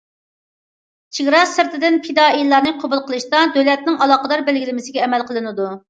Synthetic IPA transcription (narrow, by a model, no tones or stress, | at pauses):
t͡ʃʰiɡʲɾɑsɨɾt̪ʰɪd̪ɪnpʰid̪ɑilˠːɑɾnɨqʰobulˠqəlˠɨʃt̪ɑd̪ølɛt̪̚nɪŋɑlˠɑːqəd̪ɑɾbɛlɡʲilɪmɪsɪɡʲɛːmɛlˠqʰəlˠɨnɨd̪u